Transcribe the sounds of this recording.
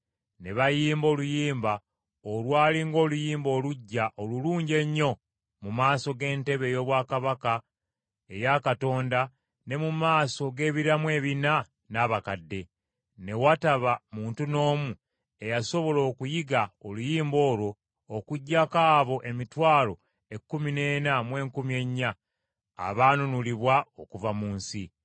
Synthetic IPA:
ne̞βajiːmbo̞ːlujiːmba | olwaːliŋɡo̞ːlujiːmbo̞ːluɟːaʔoluluːɲɟe̞ɲːo̞ | mumaːso̞ɡe̞ːnte̞βe̞jo̞ːβwaːkaβaka | e̞jakato̞ːnda | ne̞mumaːso̞ɡe̞ːβiɾamwe̞ːβina | naβakadːe̞ | ne̞wataβamuːntuno̞ːmu | e̞jaso̞βo̞lo̞ːkujiɡaolujiːmbo̞ːlo̞ː | kuɟːakaːβo̞ʔemitwaːlo̞ | e̞kːumine̞ːnamwe̞ːŋkumie̞ɲːa̰ː | βaːnunuliβwao̞kuvamuːnsi

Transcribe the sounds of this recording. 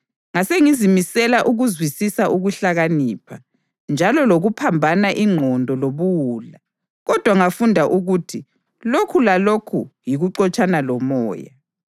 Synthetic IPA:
ŋaseŋizimisɛlaʔuɣuzwisisaʔuɣuɬaɣaniːpʰa | nd͡ʒʱalɔloɣupʰambʱanaʔiŋ͡ǃʱɔndʱɔloβuwuːla | ɣɔd̥ʱwaŋafundʱaʔuɣuːtʰi | lokʰulalokʰujiɣuǀɔt͡ʃʼanalɔmɔːja̰

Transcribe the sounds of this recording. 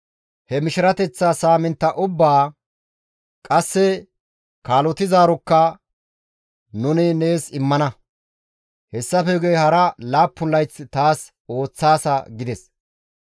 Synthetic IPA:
hɛmɪʃɪɾɐt̪ɛt͡sːaːsaːmɪnt̪ːɐʔʊbːaː | kʼɐsːɛ | kaːlɔt̪ɪzaːɾɔkːɐ | nʊnɪne̞ːsɪmːɐnɐ | hɛsːɐfɛɡejhɐɾɐlaːpːʊnlːɐjt͡sːt̪aːs | o̞ːt͡sːaːsɐɡɪd̪ɛs

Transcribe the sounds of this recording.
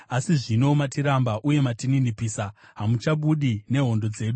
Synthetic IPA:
asiʐino̞matiɾambaʔuje̞matininipiːsaɦamut͡ʃaɓuɗine̞ɦo̞ndo̞d͡ze̞ːɗu

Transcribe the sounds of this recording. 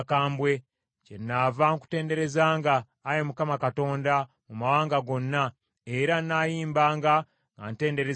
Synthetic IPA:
kaːmbwe̞ | cenːaːvaŋku̥te̞ːnde̞ɾe̞zaːŋɡaː | jemukamakato̞ːnda | mumawaːŋɡaɡo̞nːa | e̞ɾanːaːjiːmbaːŋɡa | ŋɡa̰nte̞ːnde̞ɾe

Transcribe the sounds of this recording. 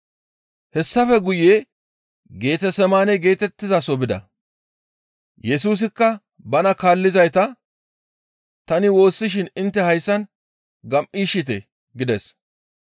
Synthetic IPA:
hɛsːɐfɛɡʊjeː | ɡe̞ːt̪ɛsɛmaːnɛɡe̞ːt̪ɛt̪ːɪzasɔbɪd̪ɐ̰ | jɛs̬uːs̬ɪkːɐ | bɐnɐkaːlːɪzɐjt̪ɐ | t̪ɐnɪwo̞ːsːɪʃ̬ɪnɪnt̪ːɛhɐjsːɐn | ɡɐmʔiːʃɪt̪̬ɛ̰ | ɡɪd̪ɛs

